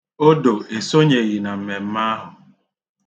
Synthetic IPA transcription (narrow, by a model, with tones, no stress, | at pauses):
o˦do˨e˨so˦ɲe˨ɣi˨na˨m̩˨me˨m̩˦ma˦ɦʊ˨